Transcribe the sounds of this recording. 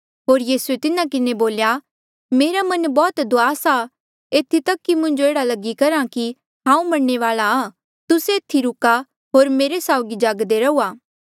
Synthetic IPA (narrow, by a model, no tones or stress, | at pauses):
ɦoːɾjiːsuet̪ɪnãkɪneboːlja | meːɾamɐnbɔːt̪d̪oaːsa | eːt̪ʰːit̪ɐkːimʊ̃ɲd͡ʒoeːɽalɐɡikɐɾãki | ɦãːũmɐɽɳeʋaːlaaː | t̪ʊseːt̪ʰːiɾʊka | ɦoːɾmeːɾesaːʊɡid͡ʒaːɡd̪eɾɐuːaː